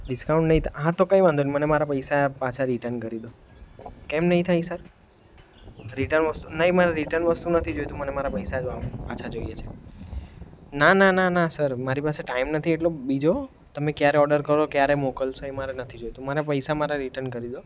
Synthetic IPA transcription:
ɖɪskaũɳʈnəɦĩt̪ʰɦãt̪okãjʋãnd̪onimənemaɾapəjsapat͡ʃʰaɾiʈənkəɾid̪o | kɛmnəɦĩt̪ʰaisəɾ | ɾiʈəɾnʋəst̪unəɦimaɾaɾiʈəɾnʋəst̪unət̪ʰid͡ʒojt̪ũmənemaɾapəjsaapat͡ʃʰad͡ʒojet͡ʃʰe̥ | nananãnãsəɾmaɾipaseʈaimnət̪ʰieʈlobid͡ʒo | t̪əmẽkjaɾeɔɖəɾkəɾokjaɾemokəlsoemaɾenət̪ʰid͡ʒojt̪ũmaɾapəjsamaɾaɾiʈəɾnkəɾid̪o

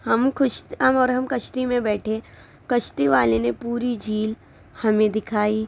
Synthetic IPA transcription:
hɐmkʊʃɦɐmɔːɾɦɐmkɐʃʈimẽbɛːʈʰẽ | kɐʃʈiʋaːlenepuːɾid͡ʒiːl | hɐmẽd̪ɪkʰaːi

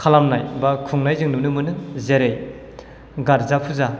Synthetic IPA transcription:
kʰalamnajbakʰuŋnajzɯŋnɯnɯmɯnɯzeɾej | ɡaɾzapʰuza

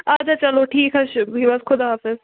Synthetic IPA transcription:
ad͡ʒat͡ʃɐloʈʰiːkɦɐʃɦiːʋɔzkʰʊd̪ɦaːfɪz

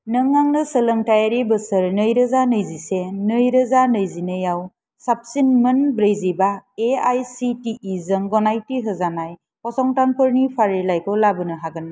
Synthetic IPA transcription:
nɯŋːaŋnɯsələŋtajaɾibɯsɯɾnɯjɾɯzanɯjzisenɯjɾɯzanɯjzinɯjaw | sap̚sinmɯnbɾejzibaeajsitiʔːzəŋɡɔnajtiɦɯzanaj | pɔsɔŋtaŋpɯɾnipʰaɾilajkʰɔlabɯnɯɦaɡɯna

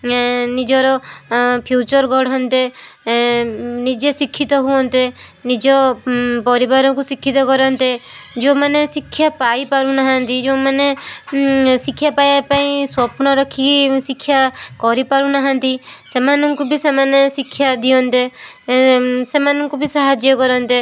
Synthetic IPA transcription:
nid͡ʒɔɾɔpʰjut͡ʃɔɾɡʱɔɽ̤ɔnt̪e | nid͡ʒesikʰːit̪ɔɦuɔnt̪enid͡ʒɔpɔɾibaɾɔkusikʰːit̪ɔkɔɾɔnt̪ed͡ʒomanesikʰːjapaipaɾũnaɦãnt̪id͡ʒomane | sikʰːjapajapaĩswɔpnɔɾɔkʰisikʰːjakɔɾipaɾũnaɦãnt̪isemanɔŋkubʱisemanesikʰːjad̪iɔnt̪e | semanɔŋkubʱisaɦad͡ʒjɔkɔɾɔnt̪e

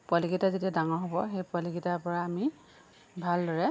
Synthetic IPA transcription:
pɔliɡitazitiadaŋɔɦɔbɔxejpɔliɡitapɔɹaːmi | bʱaldɔɹɛ

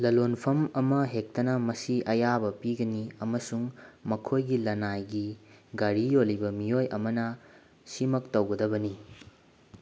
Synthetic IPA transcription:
lɐlonpʰɐmɐmɐɦek̚tɐnɐmɐsiʔɐjabɐpiɡɐniɐmɐsuŋmɐkʰojɡilɐnajɡiɡɐɾijolibɐmijojʔɐmɐnɐ | simɐk̚tɐwɡɐdɐbɐni

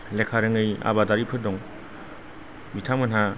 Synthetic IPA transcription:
lekʰaɾɯŋɯja̰badaɾipʰɯdɔŋ | bitʰamɡɯnɦa

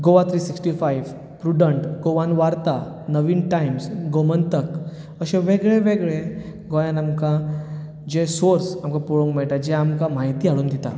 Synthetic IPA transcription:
ɡoʋat̪ʰɾisiksʈifajʋ | pɾuɖəɳʈɡoʋanʋaɾt̪a | nəʋiːnʈajmsɡomənt̪ək | əɕeʋeɡɭeʋeɡɭe | ɡojãnamkã | d͡ʑesoɾsamkapuɭõŋkmɛɭʈ̪ad͡ʑɛamkamaɦit̪iɦaɭuːnd̪ʱit̪a̰

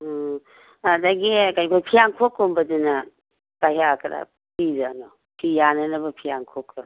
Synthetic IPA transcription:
adaɡikajkʰojpʰijaŋkʰokumbɐduna | kajɦakʰɐɾa̰ | pizanɔ | pʰijanɐnɐbɐpʰijaŋkʰokʰɯ

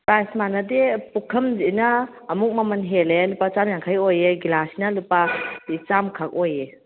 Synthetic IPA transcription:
pɾajsmanadepukʰɐmzinaːmuk̚mamanɦelelupat͡ʃamjaŋkʰajojeɡilasinalupait͡ʃamkʰak̚oje

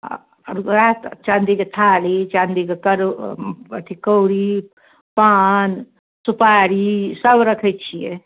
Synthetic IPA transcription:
ɾɡat̪t͡ʃãnd̪iket̪ʰaːlit͡ʃãnd̪iɡekɐɾ | ɐt̪ʰikəwɽi | paːn | supaɽisəbɾɐkʰəjt͡ʃʰije

